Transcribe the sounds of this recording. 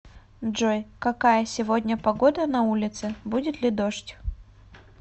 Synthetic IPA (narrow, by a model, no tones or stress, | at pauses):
ʐojkɐkajəsʲɪvodʲnʲəpɐɡod̪ənɐulʲɪt̪sɨbudʲɪt̪lʲɪd̪oʂtʲ